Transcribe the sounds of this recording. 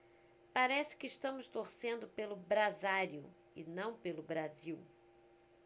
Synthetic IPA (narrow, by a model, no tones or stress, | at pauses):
paɾɛsɪ̥kɪːʃt̪ɐ̃mʊst̪oɾsẽnd̪ʊpelʊbɾazaɾjʊ̰ | ɪnɐ̃w̃pelʊbɾaziw